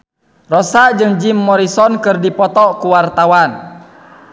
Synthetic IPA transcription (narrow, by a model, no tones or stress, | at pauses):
rɔsaʔd͡ʒɨŋd͡ʒimːɔɾisɔnkɨrdipɔt̪ɔkuwart̪awan